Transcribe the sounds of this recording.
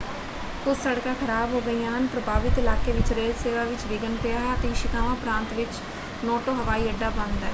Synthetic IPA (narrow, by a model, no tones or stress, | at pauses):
ʊsːəɽkãːkʰəɾaːbɦoːɡəijãːɦənpɾəbʱaːʋɪt̪ɪlaːkeːʋɪt͡ʃɾeːlseːʋaːʋɪt͡ʃʋɪɡənpeːaːɦɛət̪ẽːʃɪkãːʋãpɾãːnt̪ʋɪt͡ʃ | nɔːʈoːɦəʋaːiːəɖːaːbənd̪aː